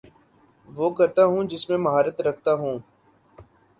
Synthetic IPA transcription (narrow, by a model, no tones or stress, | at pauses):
ʋoːkəɾt̪aːɦũːd͡ʒɪsmẽːməɦaːɾət̪ɾəkʰt̪aːɦũː